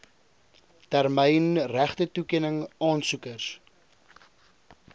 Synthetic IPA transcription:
tærmɛjnræχtətukiənəŋɑːnsukərs

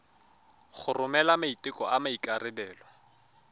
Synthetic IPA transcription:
χʊrʊmɛlamaitʼɪkʼɔamaikʼarɪbɛːlɔ

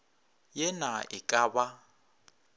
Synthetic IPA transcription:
jɛnaɪkʼaːba

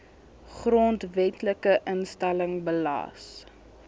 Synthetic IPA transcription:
χrontvɛtləkəʔənstæləŋbəlɑ̰ːs

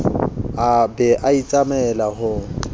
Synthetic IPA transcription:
abɛʔait͡sʼamɛlaɦʊŋ̩

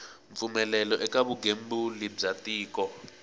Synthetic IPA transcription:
ɱfumɛlɛlɔʔɛkaβuɡembulib͡ʐatiːkɔ

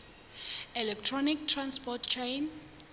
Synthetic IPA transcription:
ɛlɛk̚tʰɹɔnik̚tʰɹãnspɔtt͡ʃʰen

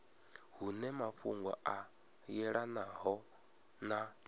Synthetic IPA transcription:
hunɛmaɸuŋɡwa̰ʔa | jɛɺanaɦɔ | na

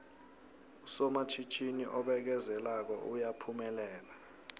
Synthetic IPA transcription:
usɔmat͡ʃʰit͡ʃʰinḭʔɔɓɛk̬ɛzɛlak̬ɔʔujapʰumɛlɛːla

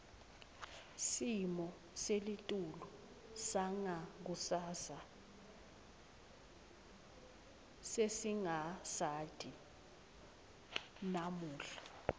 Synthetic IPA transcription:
simɔ | selitʼulu | saŋak̬usasa | sesiŋasatʰʼi | namuːɬḁ

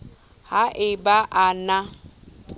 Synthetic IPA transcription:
haʔɪbaʔana

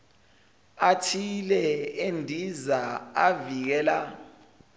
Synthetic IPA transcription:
atʰilɛendʱizaavik̬ɛːla

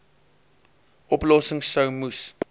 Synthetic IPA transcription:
ʔɔplɔsəŋsəwmus

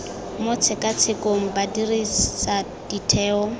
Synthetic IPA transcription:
mʊt͡sʰɪkʼat͡sʰɪkʼoŋ̩badirisa | d̥itʰɛːɔ

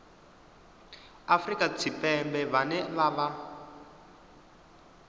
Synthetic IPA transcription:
afrikat͡sʰipɛmbɛβanɛβaβa

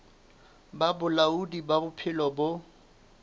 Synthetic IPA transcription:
babʊlaudibabʊpʰɪlɔbʊ

